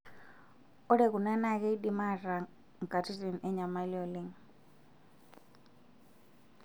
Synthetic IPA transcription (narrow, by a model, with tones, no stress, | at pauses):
ɔ˦ɺɛ˨ku˨na˦na˨kɛ˦i˦ɗi˦ma˦˨ra˨ | ŋ˨kʼa˨tʰi˦si˨n̩ʔɛ˦ɲa˨ma˦liɔ˨li˦ŋ